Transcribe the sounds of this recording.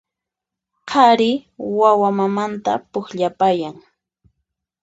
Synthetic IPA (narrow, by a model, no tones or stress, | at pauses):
qʰɑɾɪwawamamant̪a̰pʊxʎapajaŋ